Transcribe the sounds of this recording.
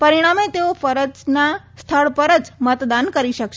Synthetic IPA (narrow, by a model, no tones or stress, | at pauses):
pəɾiɽ̃amet̪eofəɾəd͡ʒnast̪ʰəɭpəɾəd͡ʒmət̪d̪ankəɾiʃəkʃ